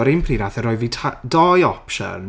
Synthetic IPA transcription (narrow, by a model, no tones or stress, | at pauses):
ɔɾɪnmpʰriːnaθɛɾɔjvitʰadɔjɔpʃə̰n